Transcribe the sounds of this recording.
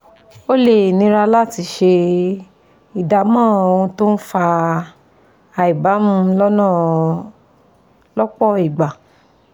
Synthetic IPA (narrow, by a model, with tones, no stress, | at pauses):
o˦le˦˨nĩ˦ɾa˧la˦˨ti˧ʃe˧ | i˨da˨mãː˦˨o˨˧ũ˧to˦n̩˦fa˧ | a˧˨i˨ba˨˦mũ˦lɔ˦nãː˦˨ | lɔ˦k͡pɔ˦˨i˨ɡ͡ba˨